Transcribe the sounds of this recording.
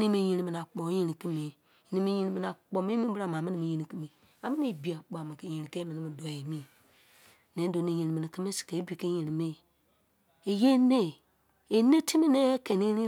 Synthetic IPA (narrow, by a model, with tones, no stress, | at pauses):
ni˦mi˨ji˨nĩ˨mi˨n˨a˨k͡pɔ˨˦je˨ni˨ki˦mi˨ | e˨ni˨mi˨˦ji˨ni˨mi˨n˨a˨k͡pɔ˨mi˦mĩ˦bɨ˦ɾa˨ma˨mi˦ni˨mi˨ɲi˨ni˨ki˦mi˨ | a˨mi˦ne˦˨bi˨a˨k͡po˨a˨mi˨ke˨jẽ˨ɾi˨ke˦mi˨nĩ˦mi˨dɔ˨e˨mĩ˦˨ | nẽ˨˦do˨˦ni˨ɲi˨ni˨mi˨nĩ˨ki˦me˦si̥˨ke˨˦bi˨ke˦je˨nĩ˨mi˦˨ | e˨je˦ne˦˨ | e˨ne˦tʰi˦mi˦ne˦ke˨ni˦ni˦